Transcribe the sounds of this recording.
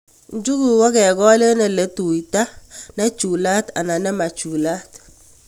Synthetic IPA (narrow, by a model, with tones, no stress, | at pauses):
n˦d͡ʒu˦ɡu˨wɔ˦kɛ˨ɡɔ˦le˦nɛ˨lɛ˨tu˨i˨ta˦nɛ˦t͡ʃu˨la˦ta̰˨na˨nɛ˦ma˨t͡ʃu˨la˦t